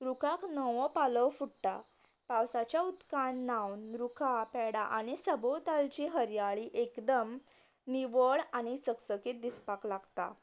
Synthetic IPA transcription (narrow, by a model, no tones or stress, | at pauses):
ɾukʰaknəʋɔ̃paləwfuɽʈa | pawsat͡ɕjaut̪kanːawnɾukʰapɛɽaʔaɽ̃isəbowt̪alt͡ɕiɦəɾjaɭiʔekd̪əm | niʋəɭaɽ̃it͡səksəkiːt̪̚d̪ispaklaɡt̪a̰